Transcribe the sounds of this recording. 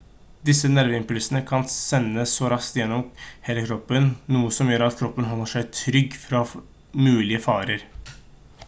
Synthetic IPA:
d̪ɪsənæɾʋəɪmpʉlsənəkʰɑnsɛnːəsːɔɾɑskt̪jɛnːɔmheːləkʰɾɔpːənːuːəsɔmjøːɾɑt̪kʰɾɔpːənɦɔlːəʂæɪt̪ʰɾʏɡːfɾɑ | mʉːlɪəfɑːɾəɾ

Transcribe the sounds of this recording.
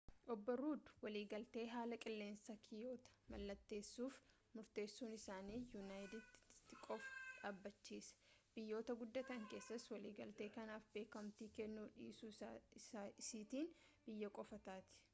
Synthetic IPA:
ʔɔbːɔɾuːd̪ʊ̥wɐliːɡɐlt̪e̞ːɦaːlɐkʼɪlːe̞ːnsɐkʰɪjo̞ːt̪ɐ̥mɐlːɐt̪ːe̞ːsːuːf | mʊɾt̪e̞ːsːuːnɪsaːniːjʊnaːjd̪ɪd̪t̪ːɪkʼɔfʊ̥ᶑaːbːɐt͡ʃːiːsɐ̥b̥ɪjːo̞ːt̪ɐɡʊd̪ːɐt̪ɐŋke̞ːsːɐswɐliːɡɐlt̪e̞ːkɐnaːfbe̞ːkɐmt̪iːkɛnːuːᶑḭːsu | siːt̪iːnb̥ɪjːɐkʼɔfɐt̪aːt̪ɪ̥

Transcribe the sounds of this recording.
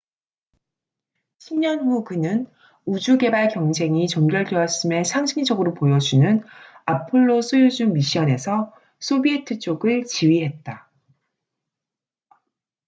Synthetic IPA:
ɕʰimɲʌnɸukɯnɯn | ud͡ʑuɡe̞baɭkjʌŋd͡ʑʰe̞ŋit͡ɕʌmɡjʌɭdweʌɕ͈ime̞sʰaŋɕʰiŋd͡ʑʌɡɯɾopojʌd͡ʑunɯnapʰɯɭːosʰujud͡ʑumiɕ͈ʰiʌne̞sʰʌ | sʰobietʰɯt͡ɕ͈oɡɯɭt͡ɕiɥiɦe̞t̚t͈a

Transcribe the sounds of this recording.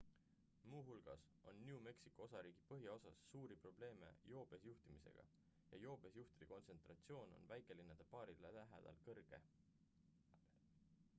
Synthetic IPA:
muːɦulɡ̥ɑ̰s | o̞̰nːʲiume̞ksi̥kːˑoo̞sɑɾiːɡ̥ipɤɦjɑo̞sɑsːuːɾipro̞b̥le̞ːme̞̰jo̞ːb̥esjuht̪imise̞̰ɡ̥ɑ̰ | jɑ̰jo̞ːb̥esjuht̪id̪iko̞nse̞nt̪rɑt̪sio̞ːno̞̰nvæjkːˑe̞linːɑd̪̥e̞pɑːɾilelæɦḛd̪̥ɑ̰lkɤrɡ̥e̞̰

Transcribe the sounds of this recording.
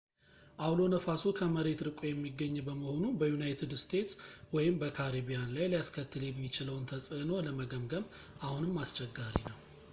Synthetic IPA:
ʔawlo̞nəfasukʰəməɾe̞t̪ɾɨkʼojɛmːiɡːəɲːbəməho̞nubəjunajt̪ʰɨd̪st̪ʰe̞t̪swɔjɪmbəkʰaɾibijanlajlijaskʰət̪ːɨljɛbɪt͡ʃɪləwnt̪ʰəsʼɨno̞ləməɡəmɡəm | ʔahunɨmːast͡ʃʰɛɡːaɾḭnəw

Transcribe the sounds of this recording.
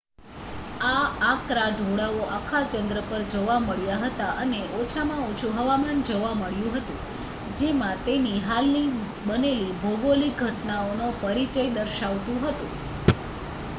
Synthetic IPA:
aːkɾaɖʱoɽaoʔakʰat͡ʃənd̪ɾəpəɾd͡ʒoʋaməɭjaɦət̪aʔəneʔot͡ʃʰamãot͡ʃʰuɦəʋamand͡ʒoʋaməɭjũɦət̪ũ | d͡ʒemãt̪eniɦalni | bənelibʱoɡoliɡʱəʈnaonopəɾit͡ʃəjd̪əɾʃaʋt̪ũɦət̪ũ

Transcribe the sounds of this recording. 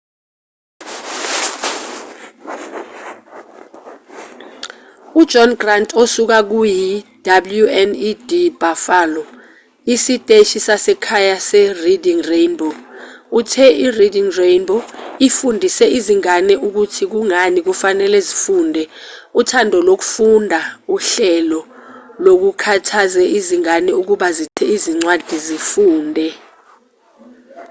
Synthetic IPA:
u̥d͡ʒ̥ʱɔnɡrantʰʼosuk̬ak̬ujid̥abljuɛnid̥ibafalɔ | isitʼeʃisasɛkʰajasɛridiŋrejnbʱɔutʰɛiridiŋrejnbɔifundʱisɛiziŋanɛuk̬utʰik̬uŋanik̬ufanɛlɛzifuːndʱɛutʰandʱɔlok̬u̥fundʱauɬɛlɔlok̬ukʰatʰazɛiziŋanɛuk̬uɓazitʰɛiziŋ͡ǀwad̥ʱizifuːndʱɛ

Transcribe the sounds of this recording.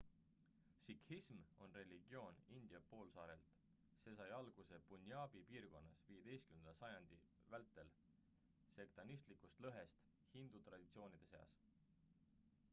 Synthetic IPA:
sikhismo̞nre̞liɡ̥io̞ːnind̪̥iɑpo̞ːlsɑːɾe̞̰lt̪ | se̞sɑjɑlɡ̥use̞punʲjɑːbipiːrɡ̥o̞nːɑsvije̞d̪̥e̞jst̪̚kymnend̪ɑsɑjɑnd̪̥i | vælt̪ːˑe̞l | se̞kt̪ɑnist̪likˑust̪lɤɦe̞st̪ | hind̪̥ut̪rɑd̪̥it̪sio̞ːnid̪̥e̞se̞ɑ̰s

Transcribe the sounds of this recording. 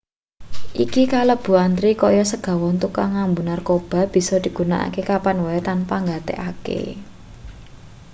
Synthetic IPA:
ʔikikalɔb̥ṳant̪ɾikɔjɔsəɡ̥ä̤wɔnt̪ukaŋambunarkob̥a̤b̥i̤sɔd̪̥i̤ɡ̥ṳnaʔa̰kekapanwɔɛt̪anpaŋɡat̪ḛʔakḛ

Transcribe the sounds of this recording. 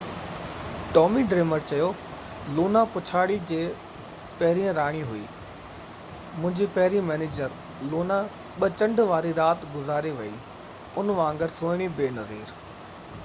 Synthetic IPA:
ʈɔːmiɖɾeːməɾt͡ɕɐjo | loːnapʊt͡ɕʰaːɽid͡ʑeː | pɐɦɪɾiə̃ɾaːɽ̃iɦʊḭː | mʊ̃ɦɪ̃ɲd͡ʑipɐɦɪɾĩmɛːneːd͡ʑəɾ | loːna | ɓət͡ɕɐ̃ɳɖʋaːɾiɾaːt̪ɡʊzaːɾeʋɐḭ | ʊnʋãːŋɡɪɾsoːɪɽ̃ibeːnɐziːɾ

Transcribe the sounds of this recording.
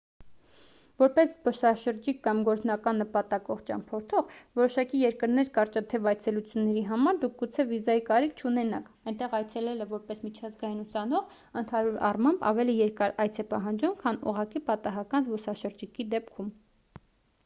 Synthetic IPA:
vɔɾpɛszbɔsɑʃəɾd͡ʒikːɑmɡɔɾt͡snɑkɑnːəpɑt̪ɑkɔʁt͡ʃɑ̰mpʰɔɾt̪ʰɔʁvɔɾɔʃɑkijɛɾkəɾnɛɾkɑɾt͡ʃɑt̪ʰɛvɑjt͡sʰɛlut͡sʰjunːɛɾiɦɑmɑɾd̪uk̚ʰɡut͡sʰɛvizɑjikɑɾikʰt͡ʃʰunɛnɑkʰ | ɑjnt̪ɛʁɑjt͡sʰɛlɛləvɔɾpɛsmit͡ʃʰɑzɡɑjinusɑnɔʁ | ənt̪ʰɑɾuɾɑ̰rmɑmbɑ̰vɛlijɛɾkɑɾɑjt͡sʰɛpɑɦɑnd͡ʒumkʰɑnṵʁɑkipɑt̪ɑɦɑkɑnzbɔsɑʃəɾd͡ʒikid̪ɛpkʰum

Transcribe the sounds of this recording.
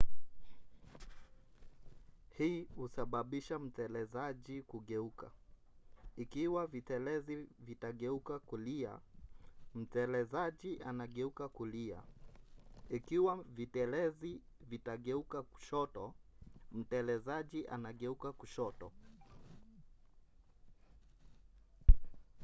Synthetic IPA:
hiːhusaɓaɓiʃam̩tɛlɛzaʄikuɠɛuka̰ | ikiwavitɛlɛzivitaɠɛukakulia̰ | m̩tɛlɛzaʄiʔanaɠɛukakulia̰ | ikiwavitɛlɛzi | vitaɠɛukaku̥ʃɔtɔm̩tɛlɛzaʄiʔa̰naɠɛukakuʃɔtɔ

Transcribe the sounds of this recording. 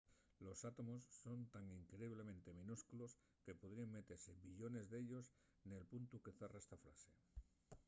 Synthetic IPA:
lo̞sat̪o̞mo̞sːo̞nt̪aŋiŋkɾeiβ̞le̞mẽnt̪e̞mĩnuskulo̞s | ke̞poð̞ɾiaŋme̞t̪e̞ɾse̞biʎo̞ne̞zðe̞ʎo̞s | ne̞lpunt̪uke̞θeraest̪afɾa̰se̞

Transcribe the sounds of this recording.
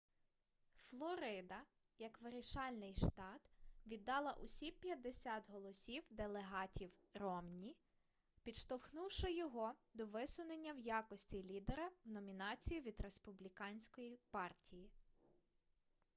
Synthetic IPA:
flˠɔɾɪd̪ɐ | jɐkʋɪɾʲiʃɑlʲnɪjʃt̪ɑd̪ʋʲid̪ːɑlˠɐʔʊsʲipʲjɐd̪ːesʲɑt̪ɦɔlˠɔsʲiwd̪elˠeɦɑtʲiwrɔmnʲi | pʲid̪ʃt̪ɔwxnuwʃɐjɔɦɔd̪ɔʋɪsʊnenʲːɐwjɑkɔsʲtʲilʲid̪eɾɐwnɔmʲinɑt͡sʲijʊʋʲid̪ɾe̞spʊblʲikɑnʲsʲkɔjipɑrtʲʰiji

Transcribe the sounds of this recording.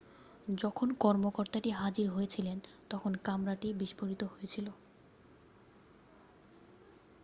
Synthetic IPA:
d͡ʑɔkʰonkɔɾmokoɾt̪aʈiɦad͡ʑiɾɦojet͡ɕʰilent̪ɔkʰonkamɾaʈibiʃpoɾit̪oɦojet͡ɕʰilo

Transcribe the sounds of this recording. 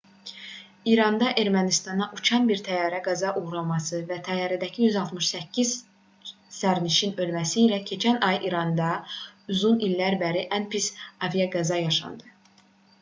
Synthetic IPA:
iɾɑnd̪ɑʔe̞ɾmænist̪ɑnɑʔut͡ʃʰɑnbiɾt̪ʰæjɑːɾæɡæzɑʔuʁɾɑlˠmɑsɯvæt̪ʰæjɑːɾæd̪æcʰijyzɑlˠt̪ʰmɯʃsæcʰːiz̥ | sæɾniʃinø̞lmæsiːlæcʰe̞t͡ʃʰænɑjʔiɾɑnd̪ɑuzunilːæɾbæɾiʔænpisɑvijɑɡæzɑjɑʃɑ̰nd̪ɯ

